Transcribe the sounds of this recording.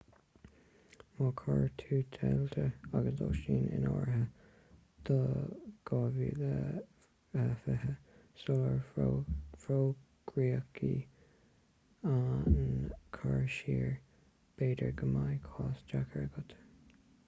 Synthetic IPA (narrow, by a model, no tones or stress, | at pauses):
mɑkʰɑɹt̪ʰuːt̪ʰɛlt̪ʰəaɡəsd̪o̰ʃiːnɪ̰nɔɹɦə | d̪̥əɡ̥ɑːviːlə | əfɪɦəsʊləɹ | fɹoː | ɡ̥ɹiːəkʰḭ | ankʰaɹʃiːɹ | b̥eːdəɹɡəmajkʰɑːsd͡ʒakʰəɹəɡʊt̪ʰə̥